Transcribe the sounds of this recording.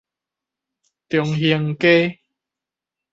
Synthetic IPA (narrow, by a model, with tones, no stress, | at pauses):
t̪jɔ˨˩ŋɦi˧əŋke˦